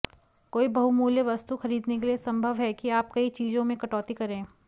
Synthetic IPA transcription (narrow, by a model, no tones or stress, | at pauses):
koːibɐɦumuːljəʋɐst̪uxɐɾiːd̪nekeliesɐ̃mbʱəʋɦɛkiaːp̚kɐit͡ʃiːzõmẽkɐʈɔːt̪ikɐɾẽː